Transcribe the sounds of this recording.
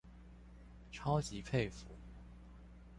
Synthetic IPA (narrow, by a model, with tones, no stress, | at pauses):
ʈ͡ʂʰɑ˥ʊt͡ɕi˧˥pʰe˥˩ɪfu˨˥˦